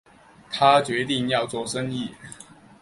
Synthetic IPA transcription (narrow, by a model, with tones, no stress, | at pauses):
t̪ʰa˦t͡ɕɥɛ˧˥t̪i˥˧ŋjɑ˥˨˧ʊt͡swɔ˥˨ʂə˥˦ŋi˥˩